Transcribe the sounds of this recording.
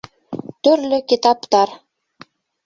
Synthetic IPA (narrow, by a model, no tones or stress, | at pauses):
t̪ørlʲɘ̆kʲit̪ɑpt̪ɑr